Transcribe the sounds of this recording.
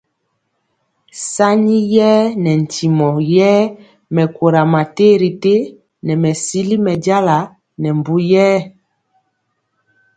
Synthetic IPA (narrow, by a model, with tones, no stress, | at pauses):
sa˦ɲi˦jɛː˦nɛ˨n˨ti˨mɔ˨jɛː˦ | mɛ˨ko˨ɾa˨ma˨te˦ɾi˨te˦ | nɛ˨mɛ˨si˦li˦mɛ˨ɟa˦la˨ | nɛ˨m˨bu˦jɛː˦